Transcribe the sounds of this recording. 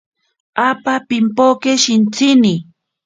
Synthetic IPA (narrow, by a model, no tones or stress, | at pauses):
apapɪmpokeʃɪnt͡sɪnɪ